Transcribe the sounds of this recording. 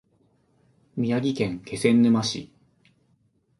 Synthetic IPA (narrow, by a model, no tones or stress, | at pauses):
mʲijaɡʲikẽ̞ŋke̞sẽ̞nːɯ̟maɕḭ